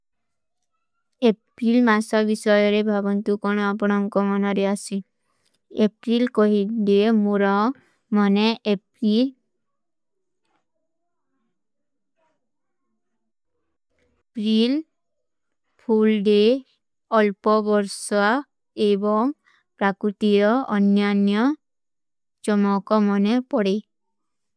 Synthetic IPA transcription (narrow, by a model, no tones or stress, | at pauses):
epɾilmasɔbisɔjɔɾebʱabɔnt̪ukɔñɔapɔɽ̃ɔŋkɔmɔnɔɾeasi | epɾilkɔɦiɖemuɾaw | mɔnɛpɾi | pɾil | pʰulɖe | ɔlpɔbɔɾsɔa | ebɔŋ | pɾakɾut̪iɾɔɔnjanjɔ | d͡ʒɔmɔkɔmɔnɛpɔɽe